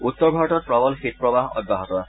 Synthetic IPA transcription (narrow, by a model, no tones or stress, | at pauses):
ut̪ːɔɹbʱaɹɔtɔt̚pɹɔbɔlxit̪̚pɹɔbaɦɔ̰d̚bʱaɦɔt̪ɔ